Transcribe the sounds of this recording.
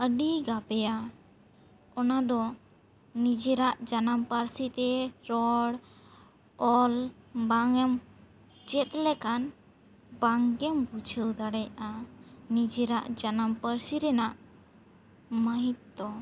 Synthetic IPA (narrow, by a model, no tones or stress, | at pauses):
əɖiɡabɛja | ɔnad̪ɔ | nid͡ʒɛɾaʔd͡ʒanampəɾsit̪ɛɾɔɽ | ɔlbaŋɛm | d͡ʒɛt̪̚lɛkan | baŋɡɛmbut͡ʃʰəwd̪aɽɛjʔanid͡ʒɛɾaʔd͡ʒanampəɾsiɾɛnaʔ | məɦit̪̚ːɔ